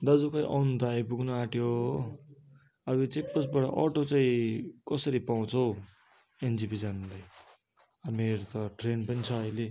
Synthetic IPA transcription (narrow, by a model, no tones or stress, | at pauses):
d̪ʌd͡zukʌj̃ʔʌwnd̪ajpuɡnuaʈjo | ʌbit͡sek̚pʌsbaɽʌ̰ʔʌʈot͡saĩkʌsʌɾipaw̃t͡sʰʌow | end͡zibid͡zanlaj | ʌmeɾot̪ʌʈrenpʌnit͡sʰʌʌjle